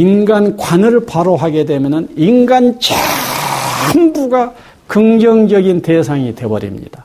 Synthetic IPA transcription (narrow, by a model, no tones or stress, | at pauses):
inɡankwanɯɭpaɾoɦaɡe̞dwe̞mjʌnɯninɡant͡ɕʰe | haŋbuɡa | kɯŋd͡ʑʌŋd͡ʑʌɡinte̞sʰaŋite̞bʌɾḭmɲḭd̥a